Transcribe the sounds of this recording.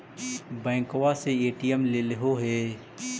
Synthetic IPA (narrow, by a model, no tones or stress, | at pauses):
bɛ̃ːŋkwaseeːʈijəmlelɪɦoɦɛː